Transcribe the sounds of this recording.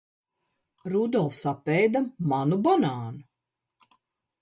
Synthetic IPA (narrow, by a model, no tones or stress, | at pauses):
ɾud̪ɔlˠfsapɛjd̪amanubɔnaːnu